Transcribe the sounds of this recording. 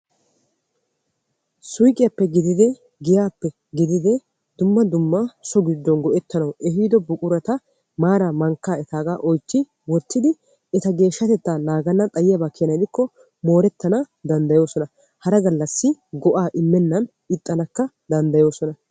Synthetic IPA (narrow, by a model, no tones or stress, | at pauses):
sʊjkʼːɪjɐpːɛɡɪd̪ɪd̪ɛ | ɡɪjaːpːɛ | ɡɪd̪ɪd̪ɛ | d̪̥ʊmːɐd̪ʊmːasɔɡɪd̪ːɔnɡɔʔɛt̪ːɐnɐwʔɛɦiːd̪ɔbʊkʼʊɾɐt̪ɐ | maːɾaːmɐŋkːaːɛt̪aːɡaːʔɔjt͡ʃːɪ | wɔt̪ʰːɪd̪ɪ | ɛt̪ɐɡe̞ːʃːɐt̪ɛt̪ːaːnaːɡɐnːɐt̪ʼɐjɪjɐbakːɪnɐjd̪ɪkːɔ | mo̞ːɾɛt̪ːɐnɐ | d̪ɐnd̪ɐjo̞ːsɔnɐ | hɐɾɐɡɐlːɐsːɪɡɔʔaːʔɪmːɛnːɐn | ɪt̪ʼːɐnɐkːɐ | d̪ɐnd̪ɐjo̞ːsɔnɐ